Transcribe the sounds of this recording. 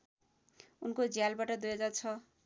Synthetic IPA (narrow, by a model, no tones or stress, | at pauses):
unkod͡zijalbaʈʌd̪ujed͡zat͡sʰʌ